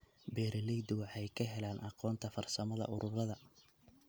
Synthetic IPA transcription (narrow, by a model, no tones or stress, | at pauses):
bɛːɾɪlɛjd̪ɪwɑħɛjkʰɐɦɛlaːnʔɑqɔːnt̪ʰɐfɐrsɐmɐðɐ̰ʔʊɾʔʊɾɐðɐ